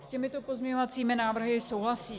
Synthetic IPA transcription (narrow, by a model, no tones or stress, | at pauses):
scɛmɪt̪o̞po̞zɲɛɲovat͡siːmɪnaːvr̩ɦɪso̞wɦlasiː